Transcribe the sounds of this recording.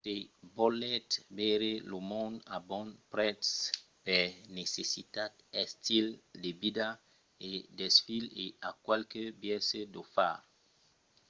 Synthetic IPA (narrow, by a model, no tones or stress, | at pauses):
tebɔlɛt̪bɛɾelomɔ̃nd̪abɔ̃npɾɛt̪s | pɛɾnesesit̪at̪̚ɛst̪ild̪ebid̪a | ed̪esfileakwalkebjɛsed̪ofa̰ɾ